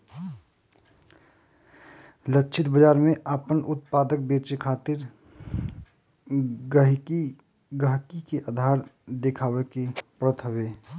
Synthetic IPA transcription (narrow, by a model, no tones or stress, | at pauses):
ləkːt͡ʃʰɪt̪bəd͡ʒaːɾmẽʔapənʔʊt̪̚paːd̪ək̚beːt͡ʃekʰaːt̪ɪɾ | ɡəɦ | ɡəɦkikeʔaːd̪ʱaːɾd̪ekʰaːwekepɾət̪ʰɦəʋeː